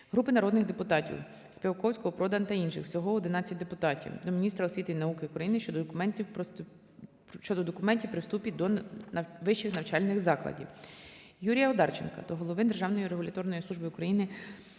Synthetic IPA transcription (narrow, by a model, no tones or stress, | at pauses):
ɦɾupɪnɐɾɔd̪nɪxd̪epʊt̪ɑtʲḭw | sʲpʲiwkɔwsʲkɔɦɔpɾɔd̪ɐnt̪ɐinʃɪ̰xw̥sʲɔɦɔɔd̪ɪnɑt͡sʲːɐt̚ʲd̪epʊt̪ɑtʲḭwd̪ɔmʲinʲist̪ɾɐɔsʲʋʲit̪ɪinɐukɪukɾɐjinɪʃt͡ʃɔd̪ɔkʊmɛnʲtʲiwpɔ | ʃt͡ʃɔd̪ɔd̪ɔkʊmɛnʲtʲiwpɾɪwst̪upʲid̪ɔ | ʋɪʃt͡ʃːɪxnɐwt͡ʃɑlʲnɪxzɑklˠɐ̰dʲḭw | juɾʲijɐɔd̪ɑrt͡ʃenkɐ̰d̪ɔɦɔlˠɔʋɪnd̪erʒɑwnɔjiɾeɦʊlʲɐt̪ɔrnɔjisˠuʒbɪʊkɾɐjinɪ